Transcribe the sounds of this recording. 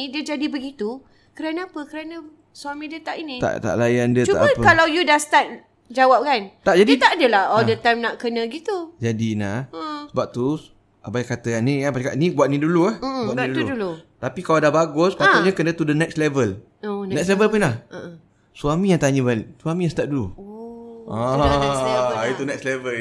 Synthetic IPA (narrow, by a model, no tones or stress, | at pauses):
idiəd͡ʒadibəɡit̪u | kəɾanəapəkəɾanə̃ | suamĩdət̪aʔinit̪a̰ʔt̪a̰ʔlajandətt͡ʃuaʔbaəpkalawjudast̪at̪̚ | d͡ʒawap̚kant̪aʔd͡ʒadət̪aʔdəlahɔldət̪ajmnaʔkənə̃ɡit̪ud͡ʒadinahəʔsəbap̚t̪u | abajkat̪əkanikanpaaka̰ʔnibwaʔ̪̚nĩduluahbuaʔiduudulut̪apikaladahbaɡʊspat̪uʔɲakənət̪udənɛk̚slɛvəl | onnɛkslevəlpənlahə | suamĩjaŋt̪aɲəbaliʔsuamijãst̪at̚duluoã | it̪unɛkslevəl